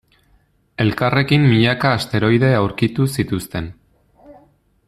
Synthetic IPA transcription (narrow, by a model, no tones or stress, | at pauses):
e̞lkare̞kimːiʎakaːst̪e̞ɾo̞jðe̞awɾkit̪usit̪ust̪e̞n